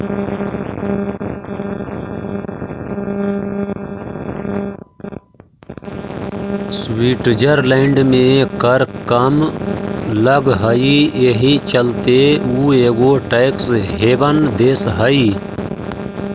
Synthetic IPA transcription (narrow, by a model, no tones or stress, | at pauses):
swiːʈd͡ʒəɾleɳɖmẽkəɾkəm | ləɡɦəieɦit͡ʃəlt̪euːeːɡoːʈejksɦeːbənd̪eːsɦəiː